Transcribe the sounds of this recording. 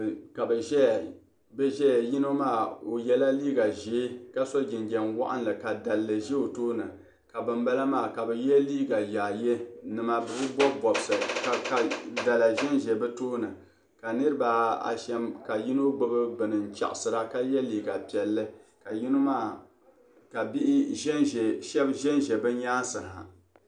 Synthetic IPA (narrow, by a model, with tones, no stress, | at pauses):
ka˨bɛ˨ʒɛ˦˨ | bɛ˦ʒɛ˦˨ji˦no˦maː˦˨o˨jɛ˦la˦liː˦ɡa˨ʒe˨˦ka˦so˦d͡ʒɪ˨nd͡ʒɛ˨nwa̰˦ʔa˦nlɨ˨ka˨da˨lːɨ˨ʒe˦o˨toː˦nɨ˨ | ka˨bɨ˨mba˦la˦maː˦˨ka˨bɛ˨jɛ˦liː˦ɡa˨ja˨je˦nɨ˨ma˦bɨ˨bɨ˦bɔ˦bɔ˨bsɨ˨ka˨ka˨da˨la˨ʒɛ˦nʒɛ˨bɨ˦toː˦nɨ˨ | ka˨nɨ˦ɾɨ˦ba˨a̰˨ʃɛ˦mka˨ji˦no˦ɡ͡bo˦bɨ˦bɨ˨nɨ˨n˨t͡ʃa̰˨ʔʊ˨sɨ˨ɾa˦ka˦jɛ˦liː˨ɡa˨pi˨ɛ˨lːɨ˦ka˨ji˦no˦maː˦˨ | ka˨bi˦ʔɪ˦ʒɛ˦˨ʃɛ˦bʒɛ˦nʒɛ˨bɨ˦n˦jaː˦n˦sɨ˨ŋ˨ha̰˨